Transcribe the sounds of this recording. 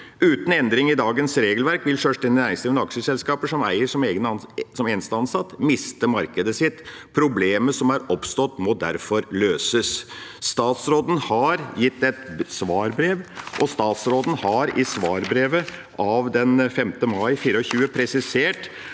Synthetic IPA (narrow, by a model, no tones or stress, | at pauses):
ʉːt̪n̩ɛnd̪ɾɪŋɪd̪ɑːɡənsɾeːɡəlʋæɾkʋɪlʂøʂʈɪnɪnæɾɪŋst̪iːʋnɑkʂəsɛlskɑːpəʂɔmæ̰ɪəʂɔmeːɡənsɔmɛnst̪ɑnsɑt̪ːmɪst̪əmɑɾkəd̪əsɪt̪ː | pʰɾʊbleːməsɔmæɾɔpst̪ɔt̪ːmɔd̪æɾfɔɾløːsəsːt̪ɑːt̪sɾoːd̪n̩hɑɾjɪt̪ːɛt̪sʋɑːɾbɾeːʋʔɔst̪ɑːt̪sɾoːd̪ən̩hɑɾɪsʋɑːɾbɾeːʋəʔɑʋd̪ɛnfɛmt̪əmɑɪfiːɾəɔçʉːəpʰɾɛsɪseːʈ